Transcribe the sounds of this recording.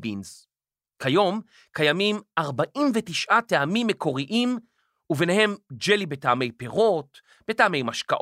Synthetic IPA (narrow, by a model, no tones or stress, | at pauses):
binz | kʰajo̞m | kajamimaʁbaʔimvetiʃʔateamimːeko̞ʁiʔim | uvenehe̞md͡ʒelibetaame̞jpeʁo̞t | b̥e̞taame̞jmaʃkaʔ